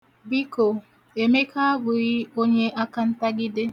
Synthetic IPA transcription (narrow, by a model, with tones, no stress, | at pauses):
bi˦ko˨ | e˨me˦kʰa˦a˦bʊ˨ɣi˦o˦ɲe˦ʔa˦ka˦n̩˦ta˦ɡɪ˦de˦